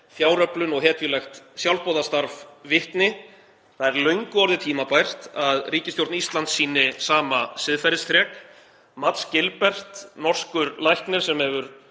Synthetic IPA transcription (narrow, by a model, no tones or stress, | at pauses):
fjaːwɾœplʏnɔɣɦɛːt̪jʏlɛxt̪sjawlpɔːðast̪aɾfvɪht̪nɪ | θaðɛɾlœɥŋkʏɔɾðɪt̪ʰiːmapajr̥t̪aðriːcɪst̪jowɾt̪nist̪lant̪sːiːnɪsaːmasɪðfajɾɪst̪ɾjɛːk | mat̪scɪlpɛr̥t̪nɔr̥skʏɾlajhk̪nɪɾ̥sɛmhɛvʏɾ